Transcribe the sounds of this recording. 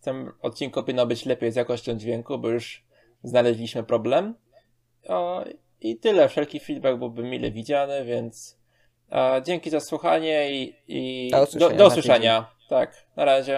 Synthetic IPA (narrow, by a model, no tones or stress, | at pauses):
t̪ɛmɔt̪̚t͡ɕinkɔpʲinːɔbɘt͡ɕlɛpʲejzjakɔɕt͡ɕɔ̃w̃d͡ʑvʲjɛŋkubɔjuʂ | znalɛʑlʲiɕmɘpɾɔblɛm | it̪ɘlɛfʂɛlkʲifʲid̪̚bɛɡ̚bɘwbɘmʲilɛ̰vʲid͡ʑanɛvʲjɛnt̪s | d͡ʑeŋkʲizaswuxaɲɛiid̪ɔd̪ɔuswɘʂʂɛɲa | t̪ak | naɾaʑɛ